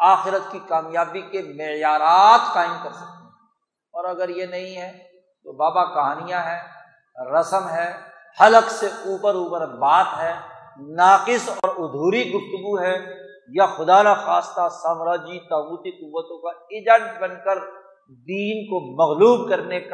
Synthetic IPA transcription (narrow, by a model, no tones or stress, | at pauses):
aːxɪɾət̪kikaːmjaːbikemɪjaːɾaːt̪qaːɪ̃mkɐɾsɐk̚t̪eɦɛ | ɔːɾɐɡəɾjenɐɦĩɦɛ | t̪oːbaːbakɐɦaːnijãɦɛː | ɾɐsəmɦɛ | hɐləkseuːpəɾuːpəɾbaːt̪ɦɛ | naːqɪsɔːɾʊd̪ʱuːɾiɡʊft̪ʊɡuɦɛ | jaxʊd̪anaxaːst̪asaːmɾaːd͡ʒit̪aːbuːt̪iqʊʋːət̪õkaɪd͡ʒɛʈ̚bɐnkəɾ | d̪iːnkomɐɣluːbkɐɾnek